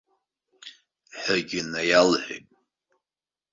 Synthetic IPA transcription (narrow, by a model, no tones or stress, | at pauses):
ħəɡʲɪnajalħʷḛjtʼ